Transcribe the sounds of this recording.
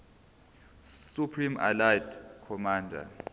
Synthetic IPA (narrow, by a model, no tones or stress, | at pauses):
supʰrima̰lajtʰʼkʰɔmaːndʱa̰